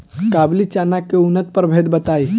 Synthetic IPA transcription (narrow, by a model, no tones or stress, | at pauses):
kablit͡ʃanakeunət̪̚pəɾbʱed̪bət̪aːi